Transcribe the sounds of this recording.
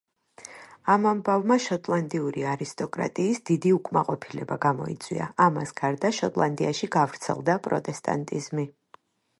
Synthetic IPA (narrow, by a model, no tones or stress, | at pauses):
amambavmaʃɔt̪ʼlˠand̪iuɾiaɾist̪ʼɔkʼɾa̰t̪ʼiːsd̪id̪iukʼmaqʼɔpʰilɛbaɡamɔ̰ḭt̪sʼwḭa̰amasɡ̥aɾd̪aʃɔt̪ʼlˠand̪iaʃiɡavɾt̪sʰɛ̰lˠd̪apʼɾɔ̰t̪ʼɛst̪ʼa̰nt̪ʼizmi